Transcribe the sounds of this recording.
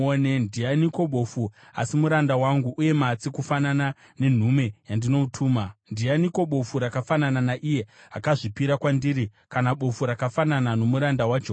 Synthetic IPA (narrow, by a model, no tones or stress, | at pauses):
onendianiko̞ɓo̞fu | a̰simuɾandawaŋɡuʔuje̞mat͡sikufanana | ne̞n̤ume̞jandino̞utʰuːmandianiko̞ɓo̞fuɾakafanananaʔije̞akaʐipiɾakwandiːɾi | kanaɓo̞fuɾakafananano̞muɾandawaːt͡ʃo